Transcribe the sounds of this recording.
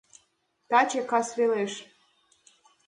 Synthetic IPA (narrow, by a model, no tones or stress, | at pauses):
t̪ɑt͡ɕekɑsβeleʃ